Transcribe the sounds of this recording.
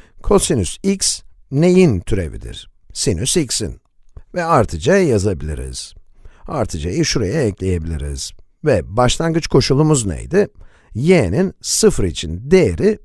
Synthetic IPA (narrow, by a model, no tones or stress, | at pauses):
kʰo̞sinysiks | ne̞jint̪ʰyɾe̞̰vḭd̪ḭɾ̥ | sinysiksḭn | vɛaɾt̪ʰɯd͡ʒajazabilʲḭɾḭz̥ | a̰ɾt̪ʰɯd͡ʒajɯʃuɾajaɛclʲe̞je̞bilʲḭɾḭz̥ | vɛbaʃlˠanɡɯt͡ʃkʰo̞ʃulˠumuznḛjd̪ɪ | jeninsɯfɾit͡ʃʰind̪ejeɾɪ